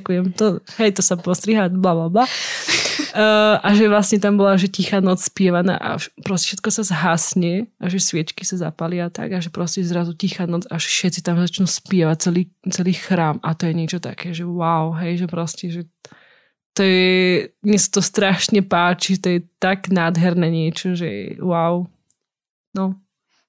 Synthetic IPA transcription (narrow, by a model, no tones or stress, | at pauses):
kujɛmt̪ɔɦɛjt̪ɔsapɔst̪ɾiɦaːblablabla | ʔaʒɛʋlasɲɛt̪ambɔlaʒɛcixaːnɔt͡sspɪɛʋana̰ːʔa̰pɾɔscɛ̥fʃɛt̪̚kɔsazɦasɲɛʔaʒɛsʋɪɛt͡ʃkisaza̰palɪat̪a̰ɡaʒɛpɾɔscɛzɾazucixaːnɔt͡saʒfʃɛtt͡sit̪amzat͡ʃnuspɪɛʋac̚t͡sɛliːt͡sɛliːxɾaːmat̪ɔjɛɲɪɛt͡ʃɔt̪a̰kɛːʒɛwaʊɦɛjʒɛpɾɔscɛʒɛ | t̪ɔjɛɲɛsḁt̪ɔst̪ɾaʃɲɛpaːt͡ʃiʒɛt̪ɔjɛt̪aɡnaːd̪ɦɛɾnɛɲɪɛt͡ʃɔʒɛ̰waw | nɔ